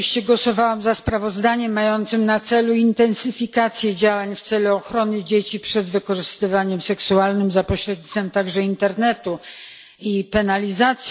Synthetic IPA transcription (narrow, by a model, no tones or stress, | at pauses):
ɕt͡ɕɛɡwɔsɔvawamzaspɾavɔzd̪aɲɛmːajɔnt̪sɘmnat̪sɛluint̪ɛnsɘfʲikat̪sʲjɛd͡ʑawaɲft̪sɛluɔxɾɔnɘd͡ʑet͡ɕipʂɛd̪vɘkɔʐɘst̪ɘvaɲɛmsɛksualnɘmzapɔɕɾɛd̪ɲit̪fɛmt̪aɡʐɛint̪ɛɾnɛt̪u | ipɛnalʲizat̪sʲ